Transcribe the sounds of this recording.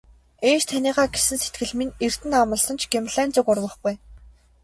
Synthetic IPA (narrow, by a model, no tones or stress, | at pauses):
eːʃt̪ʰaniːʁaːɡesɘ̆nse̥t̪ɡɘ̆ɮminer̥t̪ɘ̆namə̆ɮsɞ̆nt͡ɕʰɡemɮæːnt͡sʊ̆kʊrwə̆χɡuj